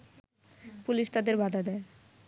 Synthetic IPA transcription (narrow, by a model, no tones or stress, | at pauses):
puliʃt̪ad̪eɾbʱad̪ʱad̪ɛe